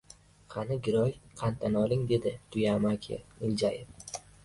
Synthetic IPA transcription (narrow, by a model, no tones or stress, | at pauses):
qʰɑnɪɡʲɪɾɒjqʰant̪ʰanɒlˠɪŋd̪e̞d̪ɪt̪ʰʊjamakʲʰɪ̰ɪld͡ʒajɪf